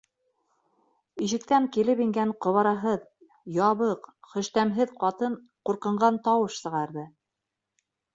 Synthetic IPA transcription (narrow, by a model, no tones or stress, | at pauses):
iʃɘ̆k̚t̪æŋkilɘpiŋɡæɴqŏβɑɾɑɦɤð | jɑβɤqχɵ̆ʃt̪æmɦɘðqɑt̪ɤɴ | quɾqɤ̆ɴɢɑnt̪ɑwɤʃsɤ̆ʁɑɾðɤ